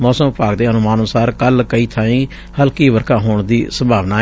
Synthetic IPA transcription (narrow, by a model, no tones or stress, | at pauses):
mɔːsəmpaːɡd̪eːənʊmaːnənʊsaːɾkəlkəiːt̪ʰaːĩː | həlkiːʋəɾkãːɦoːɳd̪iːsəmbʱaːʋnaː